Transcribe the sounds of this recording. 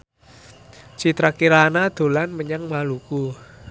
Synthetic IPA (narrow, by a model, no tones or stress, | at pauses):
t͡ʃit̪ɾakiɾanad̪̥o̤lanməɲaŋmaluku